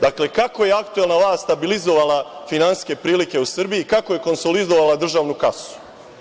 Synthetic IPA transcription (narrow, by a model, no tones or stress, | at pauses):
d̪akle̞kako̞je̞akt̪ue̞lnalˠaːst̪t̪abilizo̞ʋalˠafinansske̞pɾiːlike̞usr̩biikako̞je̞ko̞nso̞lid̪o̞ʋalˠad̪r̩ʒaːʋnukasu̥